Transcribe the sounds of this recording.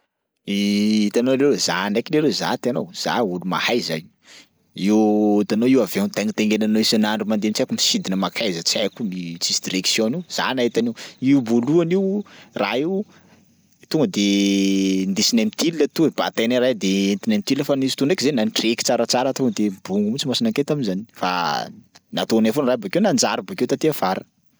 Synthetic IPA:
iit̪anolelzanajkileleza̰t̪eanowz̥a̰uluma̰hajza̰ju | iwt̪anoiwaveunt̪eŋit̪eŋɡenanoisanaɳɖ͡ʐumand̪ent͡sakumisid̪inəmakʰajzət͡sakumit͡sisd̪iɾeksjõniwz̥a̰naɦit̪aniwiuvoluaniwraiw | t̪uŋɡəd̪e | nd̪esinamit̪iliːət̪ueb̥a̰t̪anaɾajd̪ent̪inamit̪iliəfanisi̥t̪unɖ͡ʐekizenanʈ͡ʂeki̥t͡saɾət͡saɾət̪oŋɡəd̪ebuŋɡumut͡simasinaket̪aminzani̥fa̰ | nat̪onafonrajbakewnand͡ʒaɾibakewt̪at̪iav̥aɾə

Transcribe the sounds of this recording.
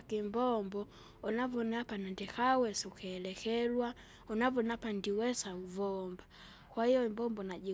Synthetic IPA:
kimbɔmbɔ | unavɔnapanandɛkawɛsukɛːlɛkɛlwa | unavɔnapandiwɛsauvɔmba | kwahijɔimbɔmbɔnaɟi

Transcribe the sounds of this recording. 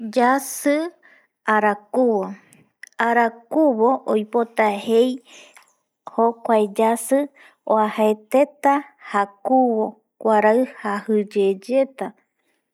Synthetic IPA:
d͡ʒasɨ | aɾakuβo | aɾakuβo̞ʔojpo̞t̪ahe̞j | hokʷaed͡ʒasɨ | o̰ahaet̪e̞t̪ahakuβo̞ | kʷaɾaɨhahɨd͡ʒed͡ʒe̞t̪a

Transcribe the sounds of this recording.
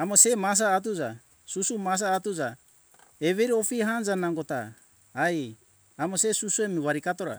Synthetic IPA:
amo̞se̞mas̬aːt̬ud͡ʒa | susumas̬aːtud͡ʒa | eβeɾiofiɦand͡ʒanaŋɡo̞ta̰ː | j | amose̞susuemiβaɾikato̞ɾa̰

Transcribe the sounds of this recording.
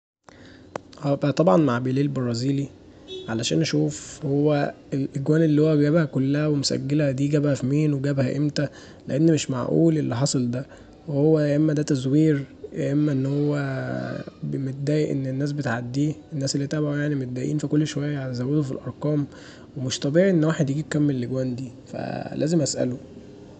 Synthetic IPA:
ʔæːbæt̪ˤɑbʕɑnmaʕbeliːlbeɾˤɑːziːli | ʕalæʃæːnʔæʃuːfhowːæ | elʔeɡwæːnelːiːhowːæɡæbhækolːæhæwemosæ̰ɡːelhæd̪iːɡæbhæfimiːnweɡæbhæʔemt̪æ | lḛʔenːmeʃma̰ʕʔṵːlʔelːiħɑsˤɑld̪æ | wehowːæeʔemːæd̪æt̪æzwiːɾeʔemːæʔenːhowːæ | bemet̪̚d̪æːjeʔḛnːenːæːs̬bet̪ʕad̪ːiːenːæːselːit̪æʕbʕojaʕnimot̪̚d̪æːjʔiːnfikolːʃowæjːæʕalæzæwːed̪ofilʔɑ̰ɾˤqɑːm | wemoʃt̪ˤæbiːʕʔenːwaːħed̪jeɡiːb̚kæmːelelːeɡwæːnd̪iː | fæ̰læ̰ːzemʔæsʔæ̰lo

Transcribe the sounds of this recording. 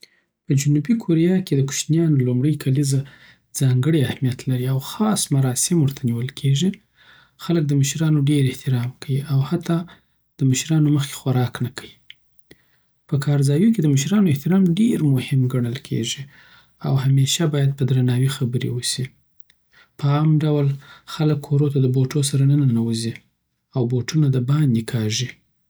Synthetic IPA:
pəd͡ʒʊnubikʰoɾijɑked̪əku̥ʃnjɑnlumɽəjkʰaliza | d͡zɑŋɡəɽeahmijat̪laɾiawxɑsmaɾɑsɪmwəɾt̪ʰaniwəlkʰeʒi | xalək̚d̪əməʃɾɑnoɖeɾɪht̪ɪɾɑmkawiʔawhat̪ɑ | d̪̥əməʃɾɑnoməxke̥xwaɾɑknakʰawi | pəkʰɑɾzɑjuked̪əməʃɾɑnoɪht̪ɪɾɑmɖeɾmʊhɪmɡaɳ̃əlkʰḛʒi | awhameʃabɑjad̪̚pəd̪ɾanɑwixabəɾḛwəsi | pəɑmɖawlxaləkʰːoɾot̪ad̪əboʈos̬aɾanənanawəzi | awboʈunad̪əbɑnd̪ikʰɑʒi

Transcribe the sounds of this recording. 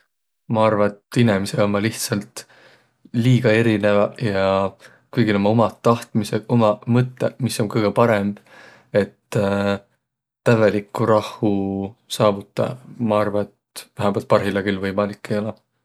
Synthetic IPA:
mɑɑrvɑet̪inemiseommɑliht̪sɑlt̪ | liːɡ̥ɑe̞ɾine̞vɑjɑ | kujɡ̥ilo̞mɑomɑt̪ːɑht̪miseomɑmɤt̪ːˑemiso̞nkɤjɡ̥epɑɾe̞mb̥ | e̞t̪ː | ævelikːˑuɾɑhusɑːvut̪ːˑɑ̰mɑɑrvɑet̪væɦæbolt̪̚pɑrɦilɑɡilvɤjmɑlikːˑejolɑ

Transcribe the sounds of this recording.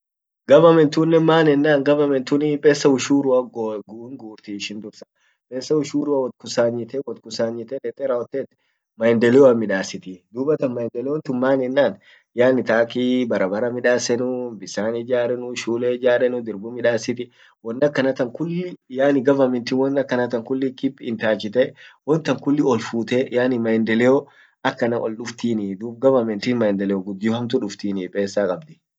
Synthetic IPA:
ɡɐbɐmɛnt̪ʊnːɛmaːnɛnːaːŋɡɐbɐmɛnt̪ʊnɪpʼeːsːɐʊʃuːɾʊwɐɡɡuŋɡuːɾt̪iɪʃɪnd̪ʊɾsɐ̥ | pʼeːsːɐʊʃuːɾʊwɐwɔt̪̚kʊsaːɲːɪt̪ɛwɔt̪kʊsaːɲːɪt̪ɛᶑɛt̪ʼɛɾɐɔt̪ːeːt̪ | mɐjɪnd̪ɛlɪwɐmɪᶑaːsɪt̪ɪd̪uːbɐt̪ɐnmɐjɪnd̪ɛlɛwɔnt̪ʊnmaːnɛnːaːn | jaːnɪt̪aːkiːbɐɾɐbɐɾɐmɪᶑaːsɛnʊbɪsaːnɪd͡ʒaːɾɛnʊʃuːlɛd͡ʒaːɾɛnʊd̪ɪɾbʊmɪᶑaːsɪt̪ɪ | wɔnːɐkːɐnɐt̪ɐŋkʊlːɪjaːnɪɡɐvɐmɛnt̪ɪnwɔnːɐkːɐnɐt̪ɐŋkʊlːɪkɪpːɪnt̪aːt͡ʃːɪt̪ɛwɔnt̪ɐŋkʊlːɪɔlfuːt̪ɛjaːnɪmɐjɪnd̪ɛlɛo | ɐkːɐnɐʔɔlɗʊft̪iːnɪd̪uːbɡɐvɐmɛnt̪ɪnmɐjɪnd̪ɛlɛjoɡʊd̪ːɪɔhɐmt̪ʊᶑʊft̪iːnipʼe̞ːsːaːkʼɐbd̪ɪ̥

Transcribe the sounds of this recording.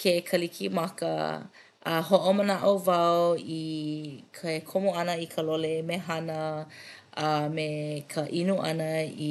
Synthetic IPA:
kʰekʰəlikʰimɐkə̰ | ʔɐ̰ɦoʔomənaʔovɐwi | kʰɐekʰomoɐnəikʰəlolemeɦanə | ʔamekʰəʔinuʔɐ̰nəi

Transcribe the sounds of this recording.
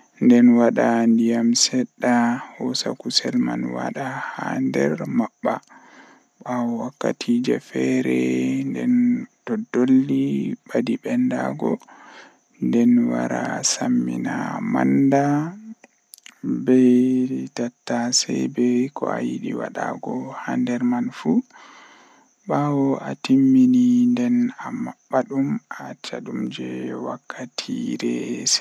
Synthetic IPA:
ndɛnwaɗandijamsɛɗːahɔsakusɛlmanwaɗahandɛɾmaɓːa | ɓawakːatʰid͡ʒɛfɛɾɛndɛndɔdːolːiɓadiɓɛndaɡɔ | ndɛnwaɾasamːinamanda | bɛtatːasɛjbɛkɔajiɗiwaɗaɡɔhandɛɾmanfu | ɓawɔʔatimːinindɛnamaɓːaɗumʔat͡ʃaɗumd͡ʒɛwakʰːatʰiɾɛs

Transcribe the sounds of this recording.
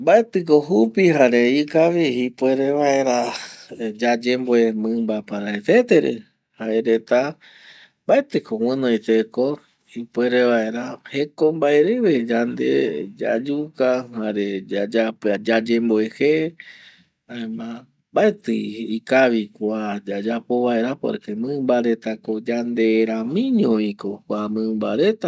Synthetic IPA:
mbaet̪ɨkoɦupiɦaɾeikaβiipweɾeβae̞ɾa | d͡ʒad͡ʒemboemɨ̃mbapaɾaet̪et̪eɾḛ | haeɾet̪a | mbaet̪ɨkow̃ɨ̃nõjt̪eko | ipweɾeβaeɾahekombaeɾeβed͡ʒand̪ḛd͡ʒa̰d͡ʒukahaɾed͡ʒad͡ʒapd͡ʒad͡ʒemboehe | aẽmã | baet̪ɨikaβikʷad͡ʒad͡ʒapoβaeɾapo̰ɾekemɨ̃mbaɾe̞t̪akod͡ʒand̪eɾamĩɲõĩkokʷamɨ̃mba̰ɾet̪a

